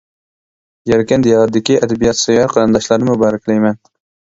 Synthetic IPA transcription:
jaɾkʲɛnd̪ijɑʁɑt̪̚d̪ɪkʲiʔæd̪æbijɑt̪sɑjɑɾqɑɾɑnd̪ɑʃlˠɑɾnɪmʊbɑːɾæklɛjmɛn

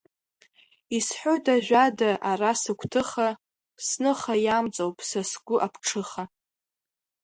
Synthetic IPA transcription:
isħʷotʰʼaʒᶣʷadaʔarasɨkʷʰtʰɨχa | snɨχajamt͡sʼowpʼsasɡʷʊʔapʰʈ͡ʂʰɨχa

